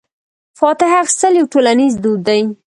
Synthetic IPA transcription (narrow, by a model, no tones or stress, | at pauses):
fɑt̪ɪɦaxɪ̥st̪əljawʈolanizd̪ud̪ːaj